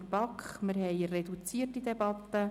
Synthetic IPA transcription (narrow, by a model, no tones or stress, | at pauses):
pɑkχmɪɾɦɛɪrɛdut͡siːtid̪ɛbɑt̪ːə